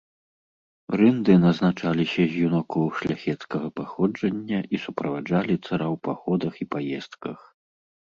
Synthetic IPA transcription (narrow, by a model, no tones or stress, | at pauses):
rɨnd̪ɨnɐznat͡ʂalʲisʲɐzʲjunakɔwʂlʲaxʲɛt̪skɐɣɐpaxɔd͡ʐɐnʲːɐʔisupɾɐvad͡ʐalʲit̪saɾawpaxɔd̪ɐxipajɛst̪kɐx